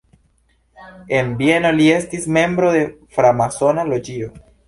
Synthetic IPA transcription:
e̞nbje̞no̞liestisme̞mbɾo̞ðe̞fɾamaso̞nalo̞d͡ʒio

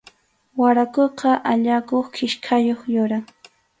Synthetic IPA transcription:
waɾakoqɑʔaʎakoχkʰɪʃkʰajoχjʊɾaŋ

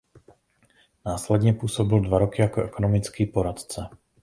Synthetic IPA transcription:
naːslɛd̪ɲɛpʊuːsɔbild̪ʋaɾɔkiakɔɛkɔnɔmit͡skiːpɔɾat̪t͡sɛ

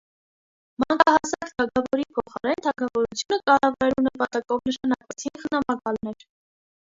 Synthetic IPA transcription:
mɑŋkɑhɑsɑkt̪ʰɑkʰɑvɔɾipʰɔχɑɾɛnt̪ʰɑkʰɑvɔɾut͡sʰjunəkɑrɑvɑɾɛlunəpɑt̪ɑkɔvnəʃɑnɑkvɛt͡sʰinχənɑmɑkɑlnɛɾ

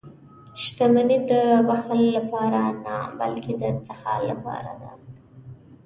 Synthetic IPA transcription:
ʃt̪amanid̪əbaxalːapɑɾanaba̰lked̪ət͡saxɑ̰lːapɑ̰ɾa̰d̪a

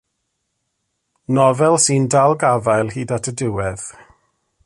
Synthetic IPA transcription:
nɔvɛlˠsindalˠɡavajlˠhiːdatʰədɪwɛð̥

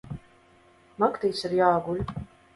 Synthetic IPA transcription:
makt̪ijsiɾjaːɡulʲ

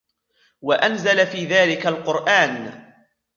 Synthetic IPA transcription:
waʔanzalafiːðaːlɪkalqʊɾʔaːn

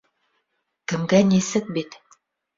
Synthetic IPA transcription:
kɘ̆mɡænisɘk̚bit̪

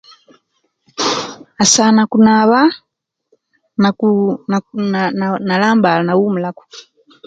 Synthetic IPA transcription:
asanakunaβa | na | nalaːmbalanawumulaku̥

